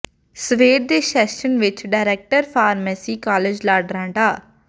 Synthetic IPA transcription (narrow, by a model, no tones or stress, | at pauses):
səʋeːɖ̚d̪eːʃɛːʃənʋɪt͡ʃɖaːɪɾɛːk̚ʈəɾpʰaːɾmɛːsiːkaːled͡ʒlaːɖɾãːɳɖaː